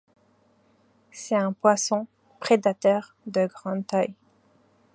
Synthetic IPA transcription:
sɛt̪ɛ̃pwasɔ̃ | pχed̪at̪œʁ | d̪əɡʁɑ̃d̪t̪aj

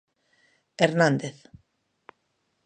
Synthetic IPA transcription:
eɾnãnd̪eθ

